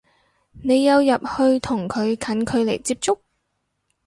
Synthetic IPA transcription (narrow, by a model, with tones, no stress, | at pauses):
ne˨˧jːɐ˨˧wjɐ˨p̚hɵ˧ɥt̪ʰʊ˨˩ŋkʰɵ˨˧ɥkʰɐ˨˥nkʰɵ˨˧ɥle˨˩jt͡siː˧p̚t͡sʊ˥k̚